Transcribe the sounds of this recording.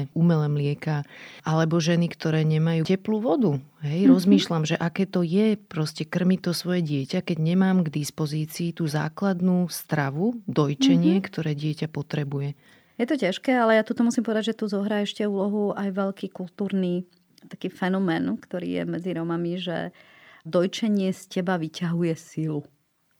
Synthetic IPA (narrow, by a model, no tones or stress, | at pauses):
umɛlɛːmlɪɛkaʔalɛbɔʒɛnikt̪ɔɾɛːɲɛmajuːcɛpluːʋɔd̪uɦɛjɾɔzmiːʃlamʒɛʔakɛːt̪ɔjɛpɾɔscɛkr̩mit̪ɔsʋɔjɛɟɪɛcakɛɟɲɛmaːmɡd̪ispɔziːt͡siːt̪uːza̰ːklad̪nuːst̪ɾaʋud̪ɔjt͡ʃɛɲɪɛkt̪ɔɾɛːɟɪɛcapɔt̪ɾɛbujɛ | jɛt̪ɔcaʃkɛːalɛjat̪ut̪ɔmusimpɔʋɛd̪aɟʒɛt̪uzɔɦɾaːɛʃcɛuːlɔɦuajʋɛʎkiːkult̪uːɾniː | t̪akiːfɛnɔmɛːnkt̪ɔɾḭːjɛ̰mɛd͡ziɾɔmamiʒɛ̰d̪ɔjt͡ʃɛɲɪɛscɛbaʋicaɦujɛsilu